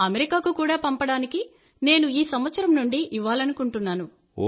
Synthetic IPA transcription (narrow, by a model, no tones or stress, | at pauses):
ɐmeɾikaːkukuːɽaːpɐmpɐɽaːniki | ne̞ːnuiːsɐmʋɐt̪sɐɾɐmnuɳɖiʔiʋaːlɐnukuɳʈunːaːnu